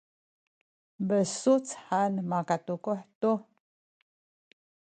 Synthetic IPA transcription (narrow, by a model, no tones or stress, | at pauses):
bəsut͡sħanmakat̪ukoħtu